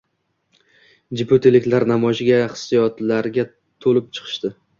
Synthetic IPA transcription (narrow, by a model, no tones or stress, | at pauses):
d͡ʒɪpʰot̪ʰelɪkʲlaɾnamɒʒɡʲaχɨ̥sijɒt̪ʰlaɾɡʲa | t̪ʰolɪp̚t͡ʃʰɨ̥qʰɨ̥ʃt̪ɪ